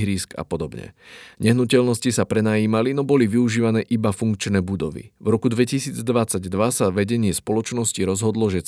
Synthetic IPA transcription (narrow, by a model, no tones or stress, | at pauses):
ɦɾiːska̰pɔd̪ɔbɲɛ̰ɲɛɦnucɛlnɔscisapɾɛnaiːmalinɔbɔliʋiuʒiːʋanɛːʔibafuŋkt͡ʃnɛːbud̪ɔʋḭʋvɾɔkud̪ʋɛcisiːd͡zd̪ʋat͡saɟd̪ʋasaʋɛɟɛɲɪɛspɔlɔt͡ʃnɔsciɾɔzɦɔd̪lɔʒɛ